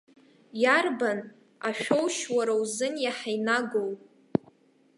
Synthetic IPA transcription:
jarban | a̰ʃᶣʷowʃwaɾawzɨnjaħajnaɡowpʼ

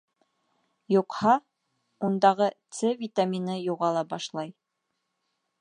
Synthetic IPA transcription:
juqhɑ | und̪ɑʁɤt̪sɘvʲit̪amʲinɤjuʁɑlˠɑbɑʃlˠɑj

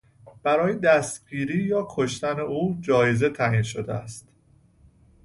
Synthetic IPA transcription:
b̥æɾɒːjed̪æst̪̚ɡiːɾiːjɒːkʰoʃt̪æneʔuːd͡ʒɒːjeze̞t̪ʰæːʔiːnʃod̪eæ̰st̪

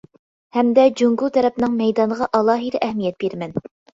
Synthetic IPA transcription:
hɛmd̪ɛd͡ʒuŋɡulˠt̪ʰɛɾɛpnɨŋmɛjd̪ɑnəʁɑʔɑlˠɑːɦiɾʔɛhmijɛt̪̚b̥eɾmɛn

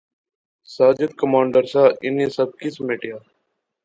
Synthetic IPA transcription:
saːd͡ʒət̪kəmãːɳɖəɾsaːʔɪnĩːsəb̚kɪsmeːʈɪjaː

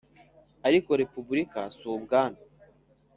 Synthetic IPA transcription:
aɾiko̞ɾepubuɾika̰suːbɡaːna

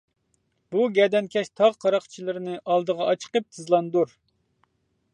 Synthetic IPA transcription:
b̥uɡʲɛd̪ɛnkʲʰɛʃt̪ʰɑʁqʰɑɾɑχt͡ʃʰilˠɨɾɪnɨʔɑlˠd̪əʁɑɑt͡ʃʰə̥qəp̚t̪ʰɨzlˠɑnd̪uɾ

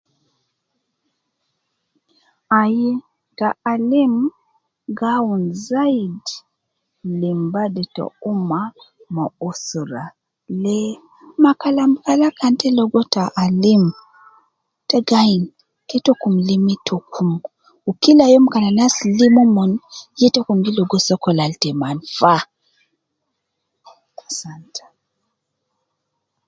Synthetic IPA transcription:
aji | ɡaːlim | ɡaunzaid | limbadɛtɔ̰uma | mɔɔsɔɾa | lɛ | makalam̩kalakantɛlɔɡɔtaʔalim | tɛɡain | kɛtokumlimitʰokʰum | ukilajɔm̩kalanaslimɔmɔnjɛtɔkumɡilɔɡɔsɔkɔlaltɛmanfa | asantʰɛ̥

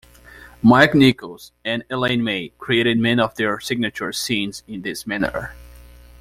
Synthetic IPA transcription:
maɹknikl̩ˠz̥ɨ̃nɛlẽnmeɪkʰɹ̥ieɪɾɨd̚mɛ̃nʌvðə˞sɪɡ̚nɨt͡ʃə˞sĩnzɪ̃nðɪsmænə̰˞

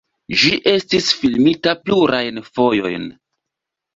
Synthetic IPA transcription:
d͡ʒiʔe̞stisfilmitapluɾʔajnfo̞jo̞̰jn

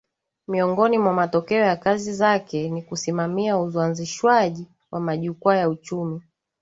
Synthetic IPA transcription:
miɔŋɡɔnimwamatɔkɛɔjakazizakɛnikusimamiauzwanziʃwaʄi | wʔamaʄukuajaut͡ʃumi

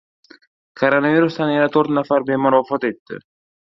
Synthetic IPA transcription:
kʰoɾonaviɾust̪anjanat̪ʰoɾt̪nafaɾbemʊɾɒfɒt̪e̞t̪ːɪ̰

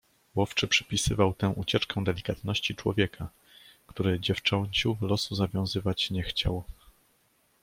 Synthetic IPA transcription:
wɔft͡ʂɘpʂɘ̥pʲisɘvawt̪ɛ̃ʔut͡ɕɛt͡ʂkɛ̃d̪ɛlʲikat̪nɔɕt͡ɕit͡ʂwɔvʲjɛkʰa | kt̪uɾɘd͡ʑɛft͡ʂɔɲt͡ɕuvlɔsuzavʲjɔ̃w̃zɘvat͡ɕɲɛxt͡ɕa̰w

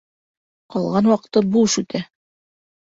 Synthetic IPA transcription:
qɑlˠʁɑnwɑqɤ̥̆t̪ːɤbuʃʉt̪ʰæ

